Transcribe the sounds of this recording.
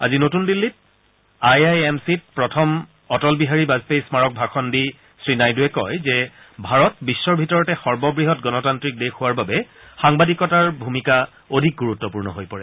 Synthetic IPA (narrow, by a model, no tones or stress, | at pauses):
a̰zinotundilːit̚ | ajajemsit̚pɹɔtʰɔm | ɔtɔlbiɦaɹibazpejsmaɹɔk̚bʱakʰɔndi | sɹinajduɛkɔjzɛ | bʱaɹɔt̚bisːɔɹbʱitɔɹɔtɛxɔɹbɔbɹiɦɔtɡɔnɔtantɹik̚dexʊwaɹbabɛxaŋbadikɔtaɹbʱumika | odʱik̚ɡuɹutːɔpuɹnɔ̰ɦojpɔɹɛ